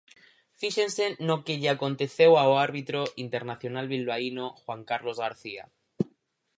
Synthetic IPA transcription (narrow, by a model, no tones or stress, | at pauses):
fiʃẽnsenːokeʎeako̞nt̪e̞θe̞waoaɾβit̪ɾoʔint̪eɾnaθjo̞nalβilβainoxwaŋkaɾlo̞zɣaɾθia̰